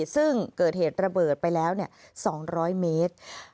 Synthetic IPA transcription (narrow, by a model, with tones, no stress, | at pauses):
sɯ˥˩ŋkɤː˨˩t̪̚heː˨˩t̪̚ɾa˧bɤː˨˩t̪̚pa˧jlɛː˦˥wni˥˩ɐsɔː˩˦ŋɾɔː˦˥jmeː˦˥t̪̚